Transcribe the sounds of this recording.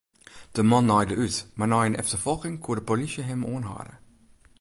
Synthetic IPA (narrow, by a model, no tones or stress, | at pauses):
d̥əmɑnːɑjdəʔytmarnɑjənɛ̰ftərfɔlˠxɪŋkʰuədəpolisjəɦɪmoːnɦa̰ːdə̰